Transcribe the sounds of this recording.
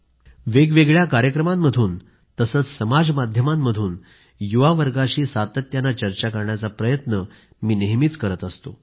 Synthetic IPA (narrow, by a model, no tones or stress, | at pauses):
ʋeɡʋeɡɭjakaɾjəkɾəmamːəd̪ʱuːn | t̪əsət͡ssəmad͡zmad̪ʱjəmamːəd̪ʱuːn | juʋaʋəɾɡaɕiːsat̪ət̪janːat͡ɕəɾt͡ɕakəɾɳjat͡sapɾəjət̪nə | miːneɦmiːt͡skəɾət̪əst̪o̰